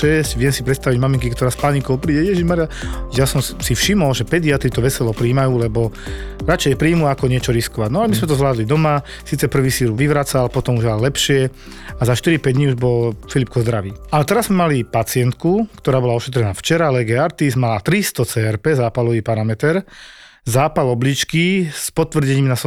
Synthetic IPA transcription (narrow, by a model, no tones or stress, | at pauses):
ʃɛscʋɪɛmsipɾɛt̪st̪aʋiɟmamiŋkikt̪ɔɾaːspaɲikɔʊpɾiːɟɛjɛʒiʒmaɾiajasɔmsifʃimɔlʒɛpɛd̪iat̪ɾit̪ɔʋɛsɛlɔpɾiːmajuːlɛbɔɾat͡ʃɛjpɾiːmuakɔɲɪɛt͡ʃɔɾiskɔʋaɟnɔalɛmizmɛt̪ɔzlaːd̪lid̪ɔma | siːt͡sɛpr̩ʋiːsiɾuʋiʋɾat͡salpɔt̪ɔmuʒallɛpʃɪɛ | azaʃt̪iɾipɛɟd̪ɲiuʒbɔlfilip̚kɔzd̪ɾaʋiːalɛt̪ɛɾazmɛmalipat͡sɪɛnt̪kukt̪ɔɾaːbɔlaɔʃɛt̪ɾɛnaːft͡ʃɛɾalɛːɡɛːaɾt̪izmalat̪ɾist̪ɔt͡sɛːɛɾpɛzaːpalɔʋiːpaɾamɛt̪ɛɾ | zaːpalɔbliːt͡ʃkispɔt̪ʋr̩ɟɛɲiːmnas